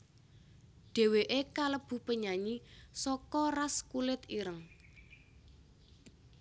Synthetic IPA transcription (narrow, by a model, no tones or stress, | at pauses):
ɖ̥e̤weʔekaləb̥ṳpəɲaɲisɔkɔraskulɪt̪iɾəŋ